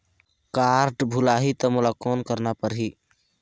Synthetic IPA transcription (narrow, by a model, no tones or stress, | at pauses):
kaɾɖbʱulaɦit̪əmʊlakonkəɾnapəɾɦi